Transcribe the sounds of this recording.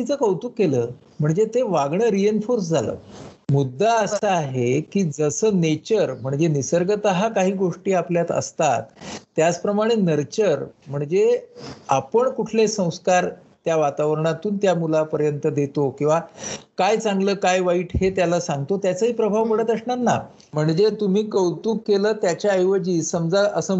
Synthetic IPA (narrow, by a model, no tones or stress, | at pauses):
it͡səkəwt̪ukːeləː | m̤əɳd͡zet̪eʋaɡɳəːɾienfoɾsd͡zʱalə̰ːmud̪ːaəsəaɦekiːd͡zəsəːnet͡ɕəɾm̤əɳd͡zenisəɾɡət̪əɦakaɦiːɡoʂʈiːapljat̪ə̰st̪at̪ːjat͡spɾəmaɽ̃enəɾt͡ɕəɾm̤əɳd͡zeapəɳkuʈʰlesə̃w̃skaɾ | t̪jaʋat̪aʋəɾɳ̃at̪uːnt̪jamulapəɾjənt̪əd̪et̪okĩw̃ʋakajt͡sãŋɡləːkajʋaiːʈʰɦet̪jalasãŋɡ̚t̪ot̪jat͡səɦiːpɾəbʱaʋpəɽət̪əsɳat̪na̰ | m̤əɳd͡zet̪um̤iːkəwt̪uːkːeləːt̪jat͡ɕjaəjʋəd͡ʑiːsəmd͡zaəsə